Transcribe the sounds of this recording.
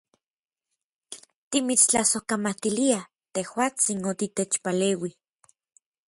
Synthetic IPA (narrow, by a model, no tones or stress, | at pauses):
t̪imit͡st͡ɬasohkamat̪ilia | t̪ehwaːt͡sinot̪it̪et͡ʃpaleːwi